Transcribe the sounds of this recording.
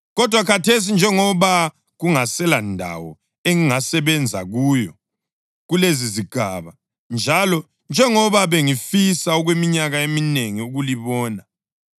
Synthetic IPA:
ɣɔd̥ʱwakʰatʰes̬ind͡ʒʱɛŋɔβa | ɣuŋasɛlandʱa̰wɔ̰ | eŋiŋasɛβɛnd͡zʱa̰ɣuːjɔ | ɣuleziziɡ̥ʱaβa | nd͡ʒʱalɔ | nd͡ʒʱɛŋɔβaβeŋifisaɔɣwemiɲaɣaemineŋiuɣuliβɔːna

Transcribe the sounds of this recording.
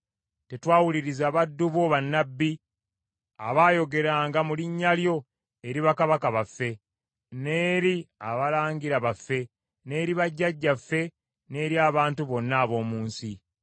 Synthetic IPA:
te̞twaːwuliɾizaβadːuβoβanːabːi | a̰βaːjo̞ɡe̞ɾaːŋɡamuliɲːaljo̞ | e̞ɾiβakaβakaβafːe̞ | ne̞ːɾiaβalaːŋɡiɾaβafːe̞ | ne̞ːɾiβaɟːaɟːafːe̞ | ne̞ːɾjaːβaːntuβo̞nːaːβo̞ːmuːnsi

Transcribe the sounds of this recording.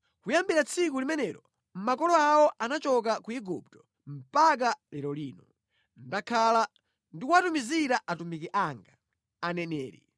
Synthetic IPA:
kujambiɾat͡sʰik̬ulimɛnɛɾɔ | m̩makɔlɔawɔʔanat͡ʃɔk̬akuiɡṵp̚tɔ̥ | m̩pak̬alɛɾɔliːnɔ | n̩dakʰala | ndikuatumiziɾaʔatumikiʔaŋɡa | anɛnɛːɾḭ

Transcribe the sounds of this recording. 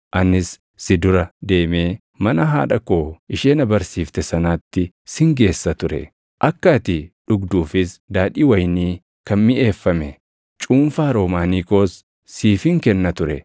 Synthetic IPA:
ʔɐnːɪsː | ɪd̪ʊɾɐd̪e̞ːme̞ː | mɐnɐɦa̰ːᶑɐkoːɪʃeːnɐbɐɾsiːft̪ɛsɐnaːt̪ːɪ | sɪŋɡe̞ːsːɐt̪ʊɾɛ̰ | ʔɐkːɐt̪ɪᶑʊɡd̪uːfɪsd̪aːᶑiːwɐjniː | kɐnmɪʔe̞ːfːɐmɛ | t͡ʃʼuːnfaːɾo̞ːmaːniːko̞ːsː | iːfɪŋkɛnːɐt̪ʊɾɛ̰

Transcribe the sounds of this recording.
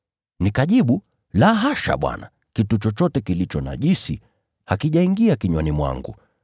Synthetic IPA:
nikaʄiɓu | laɦaʃa̰ɓwa̰na̰ | kitut͡ʃɔt͡ʃɔtɛkilit͡ʃɔna̰ʄisi | hakiʄaiŋɡiakiɲwɔnimwa̰ŋɡṵ

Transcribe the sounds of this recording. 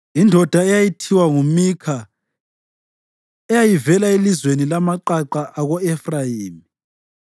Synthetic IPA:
indʱɔd̥ʱaɛjajitʰiwaŋumikʰa | ɛjajivɛlaelizwenilamaǃaǃaʔaɣɔɛfrajiːmi

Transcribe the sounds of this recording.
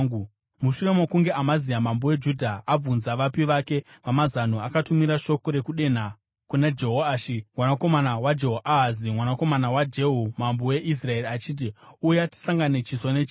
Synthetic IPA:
muʃure̞mokuŋɡe̞ʔamazijamambowe̞d͡ʒudʱaʔab͡vunzaʋapiʋake̞ʋamazan̤oakatumiɾaʃo̞ko̞ɾe̞kuɗe̞n̤a | kunad͡ʒe̞ɦoaʃimwanako̞manawad͡ʒeɦoʔaɦazimwanako̞manawad͡ʒe̞ɦumambowe̞ʔis̬rae̞riat͡ʃiːt̬iujati̥saŋɡane̞t͡ʃisonet͡ʃi

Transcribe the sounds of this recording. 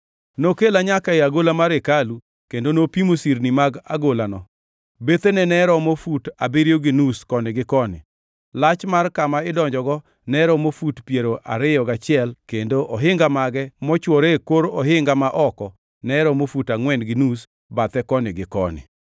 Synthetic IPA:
nokelaɲakaeaɡolamaɾekalu | kendonopimosiɾnimaɡa̰ɡolanɔ | bet̪enɛnɛɾɔmofutabiɾjoɡɪnuskɔnɪɡɪkɔnɪ̰ | lat͡ʃmarkamaɪdɔɲd͡ʒɔɡɔ | nɛɾɔmofutpjeɾoʔa̰ɾɪjɔɡat͡ʃɪɛlkendoʔɔɦɪŋɡamaɡɛmɔt͡ʃwɔɾekoɾɔɦɪŋɡamaʔɔkɔ | nɛɾɔmofutaŋwɛnɡɪnus | bat̪ɛkɔnɪɡɪkɔ̰nɪ̰

